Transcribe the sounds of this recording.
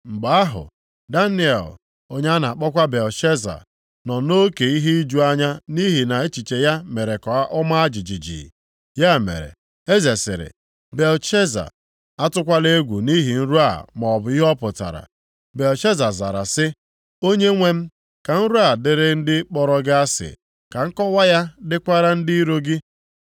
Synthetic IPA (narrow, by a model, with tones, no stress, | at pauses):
m̩˨ɡ͡ba˨˦a˦ɦʊ̰˨ | da˦ni˦ɛ̰˨l | o˦ɲ˦a˦na˨a˨k͡pɔ˦kʷa˦be˨lʃe˦za̰˨ | nɔ˨no˦ke˨i˦ɦe˦i˦d͡ʒu˦a˦ɲa˦ni˦ɦi˨na˨e˦t͡ʃi˨t͡ʃe˨ja˦me˨ɾe˨kɔ˨a˦ʔʊ˦ma˦a˦d͡ʒi˨d͡ʒi˨d͡ʒḭː˨ | ja˦˨mḛ˨ɾḛ˨ | e˦ze˨sɪ̰˨ɾɪ̰˨ | be˨lt͡ʃe˦za̰˨ | a˦tʊ˦kʷa˦le˦ɡʷu˨ni˦ɦi˨n̩˦ɾu˦a̰˨mɔ˨bʊ˨˦i˦ɦɔ˦pʊ˨ta̰˨ɾa̰˨ | be˨lt͡ʃe˦za˨za̰˨ɾa̰˨sɪ˦ | o˦ɲe˦ŋʷe˦m̩˦ | ka˨n̩˦ɾu˦a˨dɪ˨ɾɪ˦n̩˦dɪ˦k͡pɔ˨ɾɔ˦ɡɪ˦a˦sɪ̰˨ | ka˨ŋ̩˦kɔ˦wa˦ja˦dɪ˦kʷa˦ɾa˦n̩˦di˦i˦ɾo˦ɡɪ˦